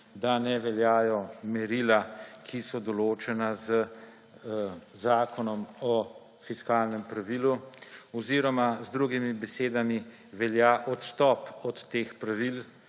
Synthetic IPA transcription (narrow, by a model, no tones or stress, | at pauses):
d̪anɛʋɛljaːjɔmɛɾilakʰisɔd̪ɔloːt͡ʃɛnazə | zaːkʰɔnɔmɔ | fiskaːlnɛmpɾaʋiluɔziɾɔmazd̪ɾuɡimibɛseːd̪ami | ʋɛljaʔɔt̪st̪ɔpɔt̪ːeːxpɾaʋil